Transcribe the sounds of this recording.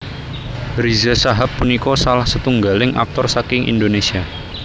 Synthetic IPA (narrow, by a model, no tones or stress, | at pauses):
ɾizɛsaɦapːunikɔsalahsət̪uŋɡalɪŋa̰k̚t̪ɔrsakɪŋʔḭnd̪onesia